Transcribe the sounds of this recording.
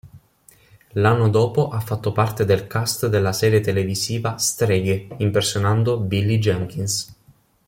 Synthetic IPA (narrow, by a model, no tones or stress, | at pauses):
lanːod̪oːpoʔafːat̪ːopart̪ed̪elkast̪d̪elːasɛːɾjet̪eleviziːvast̪ɾɛɡimpersːjonand̪obilːid͡ʒɛŋkins